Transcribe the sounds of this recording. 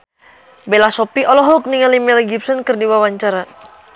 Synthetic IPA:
belasɔpiʔɔlɔɦɔk̚niŋalimɛlɡip̚sɔnkərdiwawaɲt͡ʃaɾa

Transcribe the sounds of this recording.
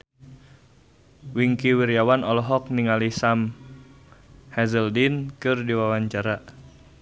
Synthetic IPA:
wiŋkiwiɾjawanɔlɔɦɔk̚niŋalisam | hɛzəldinkɨrdiwawaɲt͡ʃaɾa

